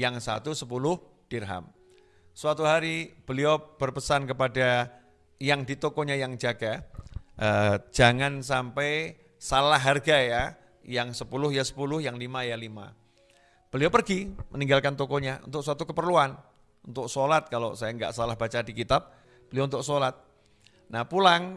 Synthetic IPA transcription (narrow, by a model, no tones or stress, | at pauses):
jaŋsa̰t̪usəpulʊh | d̥irɦa̰m | səwat̪uɦaɾib̥əliob̥ərpəsankəpada | jaŋdit̪okɔɲajaŋd͡ʒaɡaʔəd͡ʒaŋans̬ampɛj | salaɦːarɡaja | jaŋsəpulʊhjasə̥pulʊhjaŋlimajalima̰ | b̥əliopərɡimʔəniŋɡalkant̪okɔɲaʔunt̪ʊk̚sat̪ukəpərluan | unt̪ʊk̚solat̪̚kalosajaŋɡa̰ʔsalahbat͡ʃadikit̪ap̚ | b̥əliount̪ʊksolat̪̚ | nahpulaŋ